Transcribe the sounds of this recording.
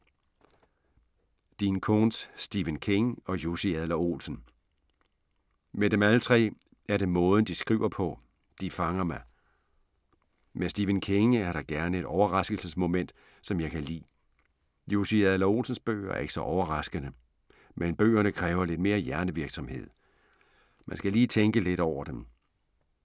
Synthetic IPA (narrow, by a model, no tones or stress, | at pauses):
d̥inkʰonsːd̥iʋənkʰeŋɒ̽josiæðlɐo̝̰lsn̩ | med̥ɾemælət͡sʰʁɛ̰ː | æɐɾ̥e̝mɔ̽ːðˠn̩d̥isɡ̥ʁiʊ̰ɐpʰɒ̽ | d̥ifɑ̈ŋɐmɑɪ | mesd̥iːʋənkʰeŋəæɐɾ̥ɑ̈ɡ̥æɐnəe̝ɾ̥ɒʊɐʁɑ̈sɡ̥l̩səsmo̝men̰d̥ | sɒ̽mjɑ̈ɪkʰælḭː | jo̝siæðˠlɐo̝̰ːsn̩sb̥ø̰ːæɐe̝ɡ̥ə̥sɒ̽ʔɒʊɐʁɑ̈sɡ̥ənə | menb̥ø̰ːɐnəkʰʁɛːʊɐle̝d̥me̝ːɐjæɐnəʋiɐɡ̥sɒ̽mhe̝ð̰ˠ | mʔænsɡ̥æliːt͡sʰeŋɡ̥əle̝ɾ̥ɒʊ̰ɐd̥em